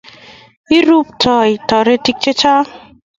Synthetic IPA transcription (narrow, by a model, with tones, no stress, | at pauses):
i˦ɾu˦p̚tʰɔ˨i˨tɔ˨ɾe˦ti˦k̚t͡ʃe˦t͡ʃa˦